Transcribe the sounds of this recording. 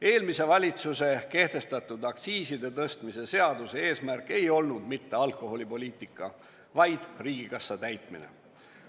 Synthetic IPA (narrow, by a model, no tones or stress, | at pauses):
e̞ːlmise̞vɑlʲit̪suse̞ke̞ht̪e̞st̪ɑt̪ːˑud̪̥ɑk̪siːsid̪e̞t̪ɤst̪mise̞se̞ɑd̪use̞e̞ːsmærkːˑe̞jo̞lnud̪̥mit̪ːe̞ɑlko̞ɦo̞lʲipo̞lʲiːt̪ːˑikːˑɑ | vɑjd̪̥riːɡikɑsːɑt̪æjt̪mḭnḛ